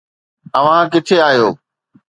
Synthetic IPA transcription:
ɐʋ̤ãkɪt̪ʰeaːɦijoː

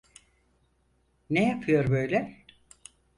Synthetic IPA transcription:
nejapʰɯjo̞ɾbøjlʲɛ

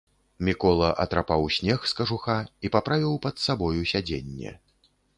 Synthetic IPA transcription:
mʲikɔlˠɐʔɐ̰t̪ɾapawsʲnʲɛxskɐʐuxaipapɾavʲiwpɐt̪sabɔjusʲad͡zʲḛnʲːɛ̰

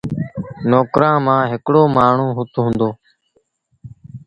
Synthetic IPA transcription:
noːkɾãːmãːɦɪkɽoːmaːɳ̤ũːɦʊt̪ɦũːnd̪oː

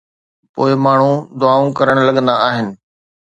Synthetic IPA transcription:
po̰ːɪmaːɳ̤ũd̪ʊaːũkɐɾəɽ̃lɐɠə̃nd̪aaːɦɪnɪ̆

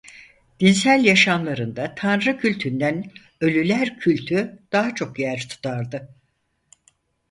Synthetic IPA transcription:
d̪̥insælʲjaʃanlˠaɾɯnd̪at̪ʰanɾɯcʰylʲt̪ʰynd̪æn | ø̞lʲylʲæɾcʰylʲt̪ʰyd̪̥aɦat͡ʃʰo̞kjæɾt̪ʰu̥t̪ʰaɾd̪ɯ

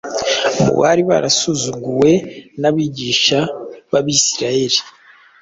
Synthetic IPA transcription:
mṵβa̰ɾiβa̰ɾa̰suzuɡuwe̞naβiːɟiːʃaβaβiːsiɾajeɾi

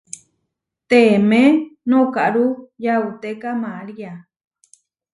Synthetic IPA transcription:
t̪emẽnõkaʔɾujaut̪ekamãɾia

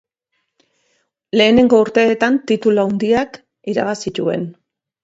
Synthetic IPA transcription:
le̞ːne̞ŋɡo̞uɾt̪e̞ːt̪ant̪it̪uloawnd̪iak | iɾa̰βasit̪ue̞̰n

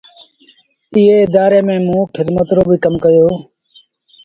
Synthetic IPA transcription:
ɪɦeːɪd̪aːɾeːmẽːmũːkʰɪd̪mət̪ɾoːbʱiːkəmkəjoː

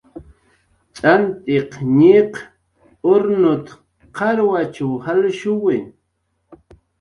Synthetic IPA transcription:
t͡ʃʼant̪eqɲɪq | ʊɾnʊt̪ | qʰɑɾwat͡ʃawhalʃʊwɪ

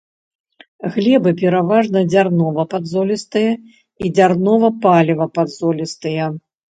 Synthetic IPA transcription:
ɣlʲɛbɨpʲɛɾavaʐnɐd͡zʲarnɔvɐpad̪zɔlʲist̪ɨjɐ | id͡zʲarnɔvɐpalʲɛvɐpad̪zɔlʲist̪ɨjɐ

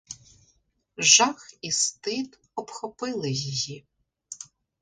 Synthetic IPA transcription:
ʒɑxist̪ɪd̪ | ɔbxɔpɪlˠɪjji

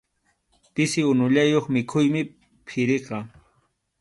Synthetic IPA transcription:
pɪsɪʊnʊʎajoχmɪkʰʊjmɪ | pʰɪɾeqɑ

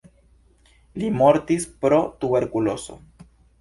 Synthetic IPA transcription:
limo̞ɾt̪ispɾo̞t̪ube̞ɾkulo̞so̞̰

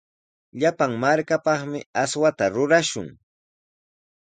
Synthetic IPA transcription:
ʎapaŋmaɾkapɑχmɪaswat̪aɾʊɾaʃʊ̰ŋ

